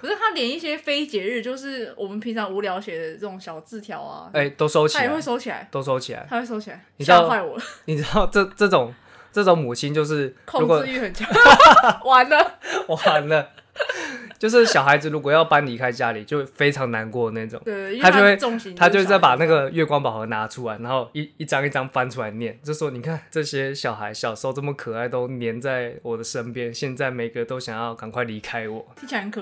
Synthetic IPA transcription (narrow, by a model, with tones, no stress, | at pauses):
pʰə˩sa˥˩t̪ʰa˥ljɛ˨˩ni˥˩ɕjɛ˦˥fe˥ɪt͡ɕjɛ˧˥ɻ̩˥˧t͡ɕjo˥˧ʊʂɻ̩˥˩wɔ˨˩mə˨npʰi˧˥ŋʂʰɑ˧˥ŋu˧˥ljɑ˧˥ʊɕjɛ˨˩d̪ə˦t͡sɤ˥˩ʈ͡ʂʊ˨˧˩ŋɕjɑ˨˩ʊt͡sɹ̩˥˩t̪ʰjɑ˧˦ʊa̰˧e˥˩ɪt̪o˥ʊʂo˥ʊt͡ɕʰia˨˥ɛ˨xwe˥˩ɪso˥ʊt͡ɕʰi˨˩la̰˧˦ɪt̪o˥ʊʂo˥ʊt͡ɕʰi˨˩la̰˧˦ɪa˥xwe˥˧˩so˥t͡ɕʰi˨la˨˧ɪi˨˩˥ʊwa˥˩ɪwɔ˨˩lə˨˩ni˨˩ʈ͡ʂɻ̩˥d̪ɑ˥˧ʊʈ͡ʂə˥˧ʈ͡ʂɤ˥˩ʈ͡ʂʊ˨˩˦ŋ | ʈ͡ʂɤ˥˩ʈ͡ʂo˧˦˥ŋmu˨˩t͡ɕʰi˥˦nt͡ɕjo˥˧ʊʂ̬ɻ̩˥˩kʰo˥˧ɻu˦kwɔ˨˧y˥˩xə˨˩nt͡ɕ | wa˧˦nlə˧wa˨˦ndə˧ | t͡ɕjo˥˧ʊʂ̬ɻ̩˥˩ɕjɑ˨˩ʊxa˧˥ɪd͡zɹ̩˨˩ɻu˧˥kwɔ˨jɑ˥˩ʊpa˦˥nli˧˥kʰa˥ɪt͡ɕja˦˥li˨˩t͡ɕjo˥˧ʊfe˥ɪʈ͡ʂʰɑ˧˦˥ŋna˧˦nkwɔ˥˧˩na˥˧i˥˩ʈ͡ʂʊ̰˨˩ŋʰ˥˧a˥t͡ɕo˥˧xwe˥˧ɪo˥˧ŋɕi˥nt̪ʰa˥t͡ɕjo˥˧wt͡sa˥˩ɪpa˨˩na˥˩ɡə˩ɥɛ˥˩kwɑ˥ŋpɑ˨ʊxɤ˧˥na˧˥ʈ͡ʂʰu˥la˧˦ɪna˧˦nxo˥˧ʊi˥˨i˥˩ʈ͡ʂɑ˦˥ŋi˥˩ʈ͡ʂɑ˦ŋfa˦˥nʈ͡ʂʰu˥a˧˦ɪnjɛ˥˩njo˥˧ʂ̩˥˩wɔ˥ni˨˩kʰa˥˨nʈ͡ʂɤ˥˧ɕjɛ˥ɕjɑ˨˩ʊxa˧˥ɪɕjɑ˨˩ʊʂo˥˧ʊʈ͡ʂə˥˩mə˨˩kʰɤ˨˩a˥˩ɪt̪o˥ʊnjɛ˧˥nt͡sa˥˩ɪwɔ˨˩d̪ə˦ʂə˦npjɛ˥˦nɕjɛ˥˧nt͡sa˥˩ɪme˨˩ɪɡə˩t̪o˥ʊɕjɑ˨˩ŋjɑ˥˩ʊka˨˩ŋkʰwa˥˩ɪli˧˥kʰa˦ɪwɔ˨˩˦i˥a˧kʰ